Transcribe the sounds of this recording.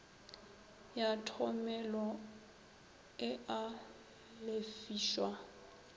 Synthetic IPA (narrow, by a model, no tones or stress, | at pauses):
jatʰɔmɛlɔ | ɪʔa | lefiːʃwa